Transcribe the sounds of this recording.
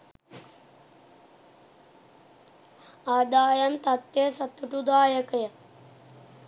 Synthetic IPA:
aːd̪aːjɐmt̪at̪jesat̪ːuʈud̪aːjəkəjə

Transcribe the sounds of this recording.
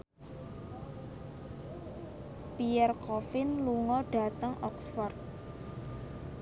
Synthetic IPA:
piɛrkɔfɪnluŋɔɖ̥a̤t̪əŋɔksfɔrt̪̚

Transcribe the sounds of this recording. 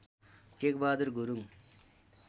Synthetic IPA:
kek̚baːd̪uɾɡuɾuŋ

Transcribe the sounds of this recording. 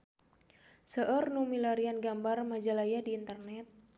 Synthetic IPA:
səʔərnumilaɾianɡambarmad͡ʒalajadiːnt̪ərnɛt̪̚

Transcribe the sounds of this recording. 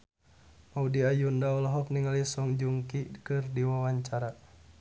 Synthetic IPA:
maudiajundaɔlaɦɔk̚niŋalisɔŋd͡ʒuŋkikɨrdiwawaɲt͡ʃaɾa

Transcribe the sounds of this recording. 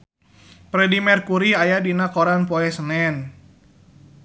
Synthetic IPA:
pɾɛdimɛrkuɾiajadinakɔɾanpɔɛsənɛn

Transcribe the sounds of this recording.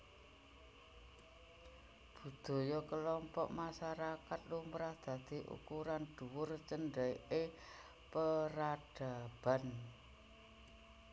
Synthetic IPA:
b̥ṳd̪̥o̤jɔkəlɔmpɔʔmaʃaɾakat̪̚lumɾahd̪̥ä̤d̪̥i̤ʔṵkuɾand̪̥uwʊrt͡ʃənɖəjʔe | pəɾaɖ̥a̤b̥a̤n

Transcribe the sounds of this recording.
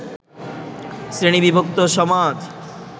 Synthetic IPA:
sɾiɳ̃ibibʱokt̪oʃɔmat̪

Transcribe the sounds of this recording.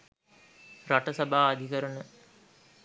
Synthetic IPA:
raʈəsabʱaːd̪ʱikəɾənə

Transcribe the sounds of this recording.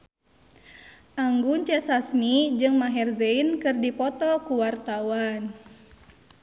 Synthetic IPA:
ʔaŋɡuɲt͡ʃɛsasmid͡ʒɨŋmaɦɛrzeinkɨrdipɔt̪ɔkuwart̪awan

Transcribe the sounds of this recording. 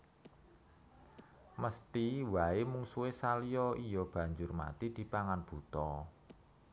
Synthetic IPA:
məst̪iwaemuŋsuesaliɔijɔb̥ä̤ɲd͡ʒʊrma̰t̪id̪̥i̤paŋanb̥ṳt̪ɔ

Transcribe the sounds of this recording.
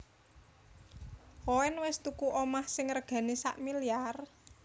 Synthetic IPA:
kowɛnwɪst̪ukuʔomahsɪŋrɡ̥ä̤nisa̰ʔmiliar

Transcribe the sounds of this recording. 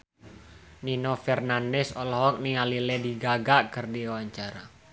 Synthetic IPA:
ninɔfɛrnandɛsɔlɔɦɔk̚niŋalilɛdiɡaɡaʔkərdiawaɲt͡ʃaɾa

